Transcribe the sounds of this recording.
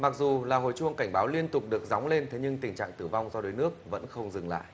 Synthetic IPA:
ma˨˩k̚zu˨˩laː˨˩ɦo̰˧˨jt͡ɕu˧əŋka˧˩jŋ̟ɓaː˨˦wli˧ənt̪ʊ˨˩k͡p̚ɗɨ˨˩ək̚za˨˦wŋ͡mle˧nt̪ʰe˨˦ɲɨ˧ŋt̪ï˨˩ŋ̟t͡ɕa̰ː˧˨ŋt̪ɨ˧˩va˧wŋ͡mzɔ˧ɗo˨˦jnɨ˦˥ək̚və̰˧˥nxə˧wŋ͡mzɨ˨˩ŋla̰ː˧˨j

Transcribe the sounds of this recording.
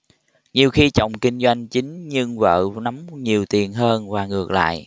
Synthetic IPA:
ɲi˨˩əwxi˧t͡ɕɔ̰˧˨wŋ͡mkï˧ŋ̟zwa˧jŋ̟t͡ɕi˨˦ŋ̟ɲɨ˧ŋvə̰ː˧˨na˨˦mŋ͡mɲi˨˩əwt̪i˨˩ənɦəː˧nvaː˨˩ŋɨ˨˩ək̚la̰ː˧˨jʔ

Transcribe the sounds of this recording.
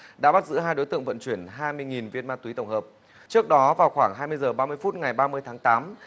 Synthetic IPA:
ɗa̰ː˧˥ɓa˦˥t̚zɨ̰˧˥ɦaː˧jɗo˨˦jt̪ɨ̰˧˨əŋvə̰˧˨nt͡ɕwi˧˩ənɦaː˧jmɨ˧əjŋi˨˩nvi˧ənmaː˧t̪wi˨˦t̪ə˧˩wŋ͡mhəː˨˩p̚ | t͡ɕɨ˦˥ək̚ɗɔ˨˦vaː˨˩wxwaː˧˩ŋɦaː˧jmɨ˧əjzəː˨˩ɓaː˧mɨ˧əjfu˦˥t̚ŋa˨˩jɓaː˧mɨ˧əjt̪ʰaː˨˦ŋt̪aː˨˦m

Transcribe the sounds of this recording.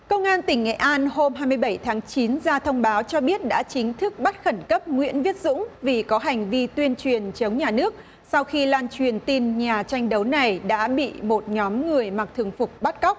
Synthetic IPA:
kə˧wŋ͡mʔaː˧nt̪ï˧˩ŋːḛ˧˨ʔaː˧nho˧mhɦaː˧jmɨ˧əjɓə˧˩jt̪ʰaː˨˦ŋt͡ɕi˨˦nzaː˧t̪ʰə˧wŋ͡mɓaː˨˦wt͡ɕɔ˧ɓi˦˥ət̚ɗa̰ː˧˥t͡ɕï˨˦ŋ̟t̪ʰɨ˦˥k̚ɓa˦˥t̚xə˧˩nkə˦˥p̚ŋwḭ˧˥ənvi˦˥ət̚zʊ̰˧˥ŋ͡mvi˨˩kɔ˨˦ɦa˨˩jŋ̟vi˧t̪wi˧ənt͡ɕwi˨˩ənt͡ɕə˨˦wŋ͡mɲaː˨˩nɨ˦˥ək̚ | sa˧wxi˧laː˧nt͡ɕwi˨˩ənt̪i˧nɲaː˨˩t͡ɕa˧jŋ̟ɗə˨˦wna˨˩jɗa̰ː˧˥ɓḭ˧˨mo˨˩t̚ɲɔ˨˦mŋɨ˨˩əjma˨˩k̚t̪ʰɨ˨˩əŋfʊ˨˩k͡p̚ɓa˦˥t̚ka˦˥wk͡p̚

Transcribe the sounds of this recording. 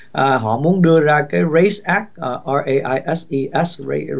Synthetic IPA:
ʔaː˨˩ɦɔ̰˧˨mu˨˦ənɗɨ˧əzaː˧kaː˨˦jɹe˨˦jsʔaː˦˥k̚ʔaː˨˩ʔa˧ʔe˧ʔaː˧jʔɛ˦˥sʔi˧ʔɛ˦˥sḛ˧˦

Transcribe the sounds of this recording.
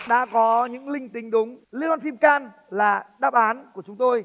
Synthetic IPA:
ɗa̰ː˧˥kɔ˨˦ɲɨ̰˧˥ŋlï˧ŋ̟t̪ï˨˩˦ŋ̟ɗʊ˨˦ŋ͡mli˧ɔː˧nfi˧mkaː˧n | laː˨˩ɗaː˧˩p̚ʔaː˨˦nku˧˩ə˩t͡ɕʊ˨˦ŋ͡mt̪o˧j

